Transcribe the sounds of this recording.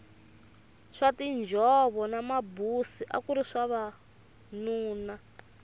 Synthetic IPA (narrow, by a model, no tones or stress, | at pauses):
ʂatind͡ʒʱɔβɔnamabusiʔa̰kuɾiʂaβa | nuːna